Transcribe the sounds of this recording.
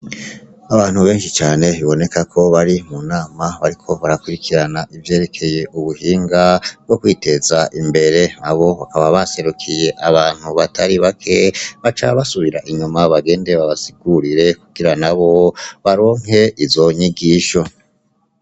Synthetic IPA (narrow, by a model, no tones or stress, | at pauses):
aβaːn̥huβe̞ːnʃit͡ʃaːne̞βiβo̞ne̞kakʰo̞βaɾimunaːmaβaɾikʰo̞βaɾakuɾikʰiɾanaʔivje̞ːɾe̞kʰe̞je̞ʔuβuhiːŋɡabɡo̞kwiːte̞zaʔimbe̞ɾe̞aβo̞βakaβaβase̞ɾukʰije̞ʔaβaːn̥huβatʰaɾiβakʰe̞βat͡ʃaββasuβiɾaʔiɲumaβaɡe̞ːndeβaβasiɡ̥uɾiɾe̞kuɡ̥iɾanaβo̞βaɾo̞ːŋ̥he̞ʔivzo̞ɲiɡiːʃo̞